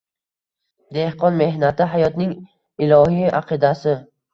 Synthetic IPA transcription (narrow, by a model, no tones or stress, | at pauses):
d̪e̞hqɒnme̞hnat̪ɪɦajɒt̪nɪŋ | ɪlˠɒɦija̰qʰɨd̪asɪ